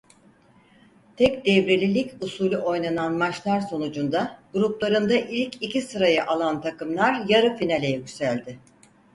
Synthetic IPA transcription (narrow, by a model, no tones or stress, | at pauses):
t̪ʰɛkd̪ɛvɾe̞lʲilʲicusuːlʲuʔo̞jnananmat͡ʃlˠaɾso̞nud͡ʒund̪aɡ̥uɾuplˠaɾɯnd̪aʔilʲcʰicʰisɯɾajɯʔalˠant̪ʰakɯmlˠaɾjaɾɯfinalʲejɛɟysælʲd̪ɪ